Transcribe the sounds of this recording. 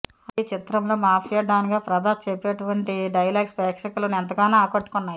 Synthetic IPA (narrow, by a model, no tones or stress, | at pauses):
ɐit͡ʃit̪ɾɐmlo̞ːmaːpʰijɐɖ̪aːniɡaːpɾɐd̪aːt͡ʃepːeːʈuʋɐɳʈiɖɐjɐlaːɡsbɐːkʂɐkulɐnuɛnt̪ɐkaːnaaːkoʈːu̥kunːaːji